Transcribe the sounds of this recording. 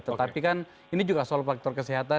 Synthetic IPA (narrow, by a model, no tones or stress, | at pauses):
t̪ət̪apikan | inid͡ʒuɡasoalɔfak̚t̪ɔrkəsiɦat̪a